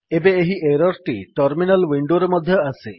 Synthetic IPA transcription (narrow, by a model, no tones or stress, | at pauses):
ebeːɦiʔeɾɔɾʈiʈɔɾminalwiɳɖoɾemɔd̪ʱjɔase